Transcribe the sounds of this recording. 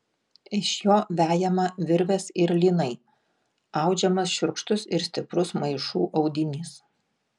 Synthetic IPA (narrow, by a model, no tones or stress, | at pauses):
ɪʃjoːʋʲæːjɛmɐʋʲɪɾʲʋʲɛsɪɾlʲiːnɐɪ | ɐʊd͡ʒʲɛmɐsʃʲʊɾkʃt̪ʊsɪɾsʲt̪ʲɪpɾʊsmɐɪʃuːʔɒʊd̪ʲɪnʲis